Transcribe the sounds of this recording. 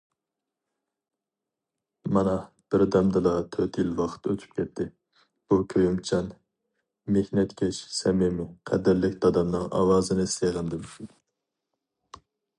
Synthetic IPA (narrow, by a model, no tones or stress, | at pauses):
mɑnɑ | b̥ɪɾd̪ɛmd̪ɨlˠɑt̪ʰøt̪jilwɑqʰə̥t̪øt̪ʰy̥p̚kʲʰɛt̪ʰːɪ | b̥ukʲʰøjymt͡ʃʰɑn | mehnɛt̪kʲʰɛʃsɛmɪmɪqʰɛd̪ɪɾlɪkʲd̪ɑd̪ɑmnɨŋɑ̰wɑːzɨnɨseʁɨnd̪ɪm